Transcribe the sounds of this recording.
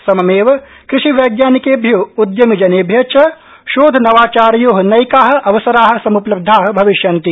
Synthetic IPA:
sɐmɐmeːʋɐ | kɾɪʃiʋɐjɡjaːnikeːbʱjoːud̪jɐmid͡ʒɐneːbʱjɐt͡ʃɐ | ʃoːd̪ʱnɐʋaːt͡ʃaːɾjoːɦɐnɐjkaːɦɐ̆ʔɐʋɐsɐɾaːɦɐ̆sɐmuplɐb̚d̪ʱaːɦɐ̆bʱɐʋiʃjɐnt̪i

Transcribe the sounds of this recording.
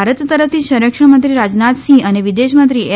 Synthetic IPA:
aɾət̪t̪əɾəft̪ʰiʃəɾəkʂə̃mənt̪ɾiɾad͡ʒnat̪ʃĩəneʋid̪eʃmə̃nt̪ɾie

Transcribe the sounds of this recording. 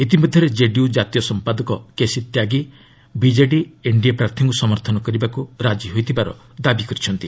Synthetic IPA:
it̪̬ibɔd̪ʱjɔɾed͡ʒeɖijud͡ʒat̪ijɔsɔmpad̪ɔkɔkesit̪jaɡi | bid͡ʒeɖieɳɖiapɾaɾt̪ʰiŋkusɔmɔɾt̪ʰɔnɔkɔɾibakuɾad͡ʒiɦojt̪ʰibaɾɔ̰ | d̪abikɔɾit͡ʃʰɔnt̪i

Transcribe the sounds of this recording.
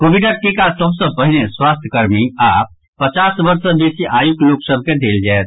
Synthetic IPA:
koʋiɖəʈ̚kekasəbsə̃pəɦneswaːst̪ʰjəkəɾmiaːp̚ | pət͡ʃaːsbəɾsə̃beːsiʔaːjukloːksəb̚ked̪eːld͡ʒaːet̪̚

